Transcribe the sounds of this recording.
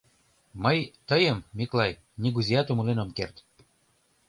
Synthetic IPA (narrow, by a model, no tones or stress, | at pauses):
məjt̪əjəmːiklɑj | nʲiɡuzʲijɑt̪umulenomkert̪